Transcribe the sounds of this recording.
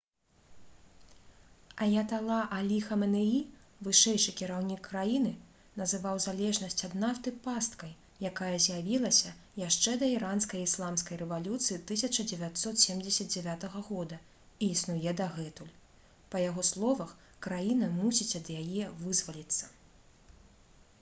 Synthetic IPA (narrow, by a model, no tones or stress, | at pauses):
ɐjat̪alˠaʔalʲixɐmɛnɛivɨʂɛjʂɨkʲiɾawnʲikːɾajinɨ | nɐzɨvawzalʲɛʐnɐsʲt͡sʲɐd̪naft̪ɨpast̪kɐj | jakajɐzʲjavʲilˠɐsʲɐjaʂt͡ʂɛd̪ɐiɾanskɐjislˠamskɐjrɛvalʲut̪sɨjit̪ɨsʲɐt͡ʂɐd͡zʲɛvʲat̪sɔt̪sʲɛmd͡zʲɛsʲɐd̪̚d͡zʲɛvʲat̪ɐɣɐɣɔd̪ɐ | iːsnujɛd̪ɐɣɛt̪ulʲ | pɐjaɣɔslˠɔvɐx | kɾajinɐmusʲit͡sʲɐd̪jajɛvɨzvɐlʲit̪sːɐ̥